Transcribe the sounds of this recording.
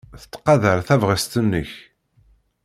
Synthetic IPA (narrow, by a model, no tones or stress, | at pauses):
θə̥t̪ːqɑðəɾθævʁəst̪ənːəç